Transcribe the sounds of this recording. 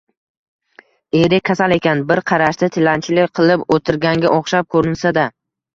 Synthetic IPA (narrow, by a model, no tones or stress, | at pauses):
eɾɪkʲʰasale̞kʲʰanbɪɾqʰɑɾaʃt̪at̪ʰɪlant͡ʃʰɪlɪqʰɨlˠɪpot̪ʰɪɾɡʲaŋɡʲaʔoχʃap̚kʰɵɾɪnsad̪a